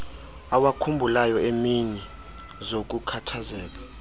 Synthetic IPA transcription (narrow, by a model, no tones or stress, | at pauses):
awakʰumbʱulajɔemiɲɛ | zok̬ʼukʰatʰazɛːla